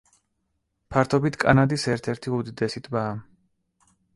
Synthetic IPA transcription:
pʰaɾt̪ʰɔbit̪ʰkʼanad̪isɛɾt̪ʰɛɾt̪ʰiud̪id̪ɛsit̪ʰbaː

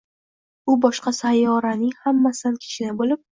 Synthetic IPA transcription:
ʊbɒʃqɑsajːɒɾanɪŋhamːasɪd̪ankʲʰɪ̥ʃɪnɪbolɪp̚

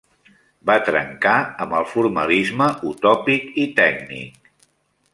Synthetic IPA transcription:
bat̪ɾə̰ŋkaəməlˠfuɾməlizməʔut̪ɔpikit̪ɛɡ̚nḭk̚

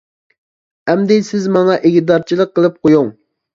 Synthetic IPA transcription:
ɛmd̪ɪsɪzmɑŋɑʔeɡʲid̪ɑɾt͡ʃʰilˠəqʰːəlˠɨp̚qʰojuŋ

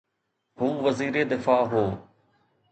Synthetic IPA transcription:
huːʋɐziːɾed̪ɪfaːɦoː

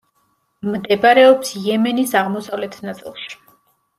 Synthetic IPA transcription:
md̪ɛbaɾɛɔpsjɛmɛnisaʁmɔsavlɛt̪ʰnat̪sʼḭlˠʃi̥

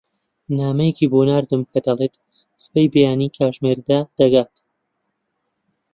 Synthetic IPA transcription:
naːmɐjeciːboːnaːɾd̪ɨmkʰɐd̪ɐlˠeːt̪ | sɨ̥pejbejaːnikʰaːwʒmeɾd̪aːd̪̥ɐɡaːt̪

